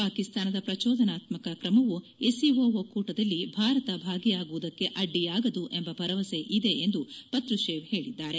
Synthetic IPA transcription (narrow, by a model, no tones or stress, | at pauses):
paːkist̪aːnɐd̪ɐpɾɐt͡ʃɔːd̪ɐnaːt̪mɐkɐkɾɐmɐʋu | esiʋoːʋɐkuːʈɐd̪ɐlːibʱaːɾɐt̪ɐbʱaːɡijaːɡuʋud̪ɐkːe̞ʔɐɖːijaːɡɐd̪uʔe̞mbɐbʱɐɾɐʋɐse̞ʔid̪e̞ʔend̪upɐt̪ɾuʃeːʋhe̞ːɭid̪ːaːɾe̞